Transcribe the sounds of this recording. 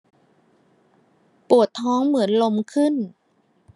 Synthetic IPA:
pu˨˩ət̪ʰːɔː˦˥ŋmɯ˩˦ənlo˧mkʰɯ˥˩n

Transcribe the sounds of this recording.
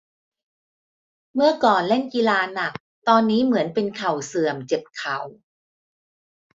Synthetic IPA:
mɯ˥˩ɐkɔː˨˩nle˥˩nki˧laː˧na˨˩k̚ | t̪ɔː˧nːiː˦˥mɯ˩˦ənpe˧nkʰa˨˩wsɯ˨˩əmt͡ɕe˨˩t̪̚kʰa˨˩˦w

